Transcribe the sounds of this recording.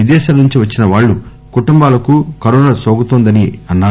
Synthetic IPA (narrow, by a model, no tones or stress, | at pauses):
id̪ɛːʃaːlɐnuɲt͡ʃiʋɐt͡ʃːinɐʋaːɭːu | kuʈumbaːlɐkukɐɾɔːnasoːɡut̪oːnd̪ɐniɐnːaː